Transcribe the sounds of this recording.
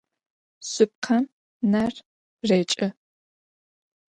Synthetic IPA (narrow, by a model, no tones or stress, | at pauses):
sʊp̚qʰɐm | nɐr | reːt͡ʃʼɪ